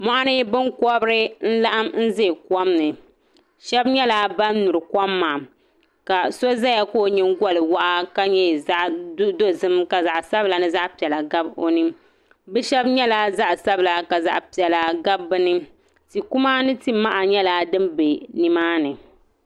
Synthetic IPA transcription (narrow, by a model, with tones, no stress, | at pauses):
mɔ˦ʔa˦nɨ˦bɨ˦ŋkɔ˦bɾɨ˦n̩˦la˦ʔa˦mn̩˦ze˦˨kɔ˦mnɨ˨ | ʃɛ˦bɲɛ˦la˦ba˦nnu˨ɾɨ˨kɔ˦mːaː˨ | ka˨so˦za˦ja˦koː˦˨˦ɲɪ˦ŋɡɔ˦lɨ˨wa˦ʔa˦ka˦ɲɛ˦˨za˦ʔdo˦zɨ˦mka˨za˨ʔsa˦bla˨nɨ˦za˦ʔpi˨ɛ˨la˨ɡa˦bo˦nɨ˦m | bɛ˦ʃɛ˦bɲɛ˦la˦za˦ʔsa˦bla˦ka˨za̰˨ʔpi˨ɛ˨la˨ɡa˦bːɨ˦nɨ˦ | ti˨ku˦ma˦nɨ˦ti˦ma˦ʔa˨ɲɛ˦la˨dɨ˦mbe˨ni˦maː˦nɨ˨